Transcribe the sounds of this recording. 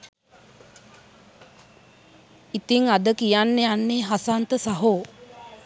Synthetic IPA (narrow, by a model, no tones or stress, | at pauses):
it̪iŋad̪əkijanːeanːeːɦasant̪əsaɦoː